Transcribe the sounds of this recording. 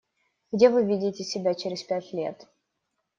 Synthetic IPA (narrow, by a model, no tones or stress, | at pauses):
ɡdʲe̞vɨvʲidʲɪtʲɪsʲɪbʲat͡ɕeɾʲɪspʲætʲlʲe̞̰t̪